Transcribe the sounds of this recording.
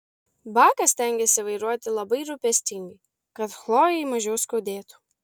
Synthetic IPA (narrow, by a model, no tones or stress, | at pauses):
bɑːkɐsʲt̪ʲɛŋʲɡʲɛsʲɪʋɐɪɾuɔt̪ʲɪlˠɐbɐɪɾʊpʲɛsʲt̪ʲɪŋʲɡɐɪ | kɐt̪xlˠoːjɛɪmɐʒʲɛʊskoːd̪ʲeːt̪u̥